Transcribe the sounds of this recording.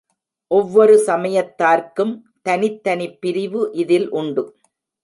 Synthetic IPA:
ʔɔʋːɔɾɯsɐmɐjɐt̪ːaːɾkɯm | t̪ɐnɪt̪ːɐnɪpːɪɾɪʋɯʔɪðɪlʔʊɳɖɯ

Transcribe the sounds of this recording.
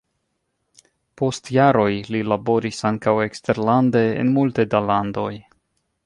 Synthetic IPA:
po̞stjaɾo̞jlilabo̞ɾisaŋkawe̞kste̞ɾlande̞̰ːnmultedalando̞j

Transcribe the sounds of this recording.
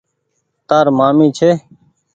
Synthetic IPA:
t̪aːɾmaːmĩːt͡ʃʰeː

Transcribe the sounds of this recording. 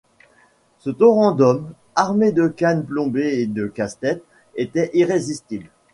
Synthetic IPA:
sət̪ɔʁɑ̃d̪ɔm | aʁmed̪əkanplɔ̃beːd̪əkast̪ɛt̪ | et̪ɛʔiʁezist̪ibl

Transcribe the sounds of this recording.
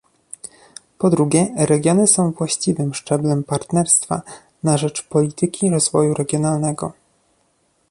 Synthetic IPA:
pɔd̪ɾuɡʲɛɾɛɡʲjɔnɘsɔ̃w̃vwaɕt͡ɕivɘmʂt͡ʂɛblɛmpaɾt̪nɛɾst̪fa̰ | naʐɛt͡ʂpɔlʲit̪ʰɘkʲiɾɔzvɔjuɾɛɡʲjɔnalnɛɡɔ̰

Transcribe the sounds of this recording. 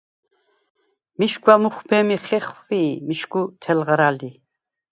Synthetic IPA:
miʃɡʰʷwamuχbʰɛmiχɛχviːmiʃɡut̪ʰɛlʁaɾald̪i

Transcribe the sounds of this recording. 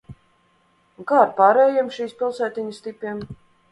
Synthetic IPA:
ɡaːɾpaːɾɛːjɛmʃiːspʲilˠsæːt̪ʲiɲəst̪ʲipʲiɛm

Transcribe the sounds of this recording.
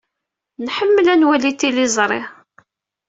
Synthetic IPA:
nħəmːəlænwælit̪ːilizˤɾˤɪ

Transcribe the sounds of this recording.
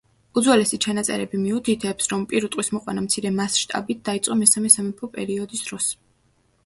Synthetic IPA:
ud̪zwɛlɛsit͡ʃʰanat̪sʼɛ̰ɾɛbimiut̪ʰit̪ʰɛpsɾɔmpʼiɾut̪ʼwismɔqʼwa̰namt̪sʰiɾɛmasʃt̪ʼa̰bit̪̚d̪̥ait̪sʼqʼɔmɛsamɛsamɛpʰɔpʼɛ̰ɾiɔd̪isd̪̥ɾɔs

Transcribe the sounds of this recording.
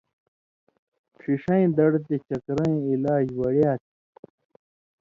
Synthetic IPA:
ʂʰiʂɐĩd̪ɐɽt̪et͡ɕɐkɾɐ̃ĩilaːd͡ʑwɐɽjaːt̪ʰi

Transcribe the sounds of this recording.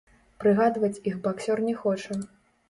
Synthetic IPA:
pɾɨɣad̪vɐt͡sʲixbaksʲɔrnʲɛxɔt͡ʂɐ

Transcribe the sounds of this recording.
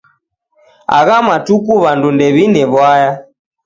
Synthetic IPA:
a̰ɣamatukuβandundɛβinɛβwaja

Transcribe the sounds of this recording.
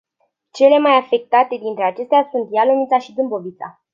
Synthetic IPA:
t͡ʃe̞le̞majafe̞k̚t̪at̪e̞d̪int̪ɾe̞at͡ʃe̞st̪easunt̪jalomit̪saʃid̪ɨmbo̞vit̪sa̰

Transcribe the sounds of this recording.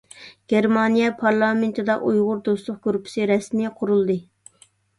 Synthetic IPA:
ɡ̥ʲeɾmɑnijɛpʰɑɾlˠɑment̪ʰɨd̪ɑʔujʁʊɾd̪ost̪lˠʊχ̚ɡ̥uɾupʰɪ̥sɨɾɛsmnɪqʰʊɾulˠd̪ɨ

